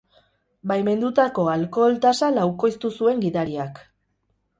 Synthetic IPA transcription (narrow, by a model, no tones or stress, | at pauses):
bajme̞nd̪ut̪ako̞alko̞lt̪asalawko̞jst̪usue̞ŋɡiðaɾiak